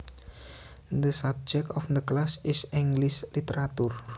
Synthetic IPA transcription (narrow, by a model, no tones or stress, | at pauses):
d̪əsab̚d͡ʒɛk̚t̪ɔfd̪əklasɪsiŋɡlislit̪eɾat̪ur